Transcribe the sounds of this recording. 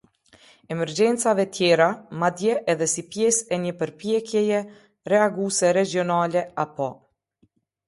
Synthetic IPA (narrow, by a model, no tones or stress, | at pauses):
ɛmɛɾd͡ʒɛnt͡savɛt̪jɛɾamad̪jɛʔːðɛsipjɛsɛɲəpəɾpjɛkjɛjɛ | rɛaɡusɛɾɛd͡ʒjɔnalɛapɔ